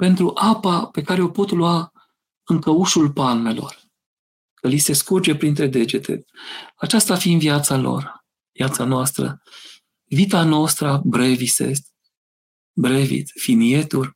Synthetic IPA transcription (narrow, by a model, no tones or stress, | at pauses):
pe̞nt̪ɾuʔapape̞kaɾeo̞po̞t̪lua | ɨŋkəuʃulpalme̞lo̞̰r | kəlise̞skurd͡ʒe̞pɾint̪ɾe̞d̪e̞d͡ʒe̞t̪ʰe̞̰at͡ʃast̪afinviat̪salo̞̰r | viat̪sanoast̪ɾə̰ | vit̪anost̪ɾabɾe̞vise̞̰st̪ʲ | bɾevḭt̪finie̞t̪ulʲ